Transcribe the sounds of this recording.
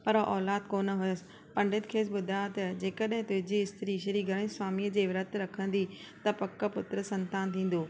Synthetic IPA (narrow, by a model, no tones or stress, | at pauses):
pɐɾʔɔːlaːd̪koːnɦʊjəsɪ | pɐ̃ɳɖɪt̪kʰeːs̬ɓʊd̪ʱat̪ɐd͡ʑeːkəɗɦɪ̃t̪ʊ̃ɦɪd͡ʑiɪst̪ɾiʃ̬ɐɾiɡʱɐɽ̃ɪ̃swaːmiːəd͡ʑeːʋɾɐt̪ɾɐkʰə̃n̆d̪i | t̪ɐpɐkːə̆pʊt̪ɾəsɐ̃nt̪aːnt̪ʰĩːn̆d̪oː